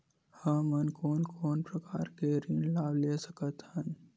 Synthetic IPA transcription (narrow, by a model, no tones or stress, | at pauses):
həmənkoːnkʰoːnpɾəkaːɾkeɾinlaːbleːsəkət̪hən